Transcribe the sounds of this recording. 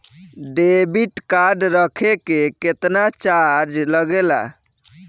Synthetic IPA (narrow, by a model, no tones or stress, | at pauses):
ɖebiʈkaɖɾəkʰekeket̪nat͡ʃaɾd͡ʒləɡela̰